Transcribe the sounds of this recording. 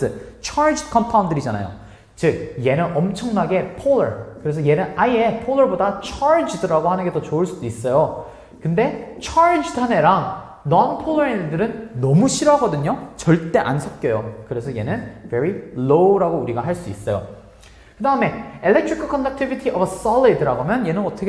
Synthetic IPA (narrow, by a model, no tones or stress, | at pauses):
ɯt͡ɕʰaɾd͡ʑikʰʌmpʰawundɯɾid͡ʑana̰jo̰ | t͡ɕɯk̚je̞nɯnʌmt͡ɕʰʌŋnaɡe̞pʰolːʌɭkɯɾe̞s̬ʰʌje̞nɯnaie̞pʰoɭːʌɭbodat͡ɕʰaɭd͡ʑidɯɾaɡohanɯnɡe̞dot͡ɕoɯɭs͈udois͈ʌjo | kɯnde̞t͡ɕʰaɾd͡ʑidʰane̞ɾaŋ | nʌnpʰolːʌɾedɯɾɯnːʌmuɕʰiɾɦaɡʌdɯɲot͡ɕʌɭt͈e̞ʔa̰nsʰʌp̚k͈jʌjokɯɾe̞sʰʌje̞nɯnve̞ɾiloɾaɡouɾiɡaɦaɭs͈uis͈ʌjo̰ | kɯdaɯme̞ilːek̚tʰɾikʰɯkʰʌndak̚tʰibitʰiʔʌbs͈ʌlidɯɾaɡomjʌnje̞nɯnʌtʰʌkʰe